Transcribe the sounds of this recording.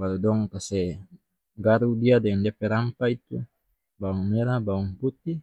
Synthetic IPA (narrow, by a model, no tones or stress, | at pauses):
baludɔŋkasɛ | ɡaɾudiadɛŋndiapɛɾampait̪ṵ | bawɔŋmeɾabawɔŋput̪ːi